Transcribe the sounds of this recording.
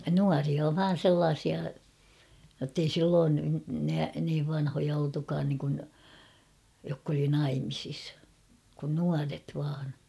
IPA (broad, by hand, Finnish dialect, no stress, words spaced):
nuɑriɑ ʋɑːn̞ selːɑːsiɑ jotːei silːoːn næ niːʋ ʋɑnhojɑ oltukɑːn niŋkun jokː oli nɑimisis kun nuɑret ʋɑːn